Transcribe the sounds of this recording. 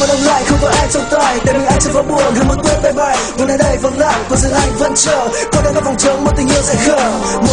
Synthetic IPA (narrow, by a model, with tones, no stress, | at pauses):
aː˨˩ɗə˧wŋ͡mla̰ː˧˨jxə˧wŋ͡mkɔ˨˦ʔaː˧jt͡ɕɔ˧wŋ͡mt̪waː˨˧˩jt̪aː˨˩jmi˨˩ʔa˧jŋt͡ɕə˧˥kɔ˨˦ɓu˨˩ənha˨˧˩mo˨˩t̪̚t̪wi˧a˧˩jɓa˨˩jvnəː˨˦jɗə˧˩jvə˨˩wla̰ː˧˨jku˧˩əzɨ̰˧əŋʔa˧jŋ̟və˧nt͡ɕə̰ː˧˨kɔ˧˩nɗaː˧˥kɔː˨˧˥fɔ˨˩wŋ͡mt͡ɕə˨˦wŋ͡mmo˨˩t̪ï˨˩ŋ̟ʔḭ˧˨əsɛ̰˧˥xəː˧˩ | m˧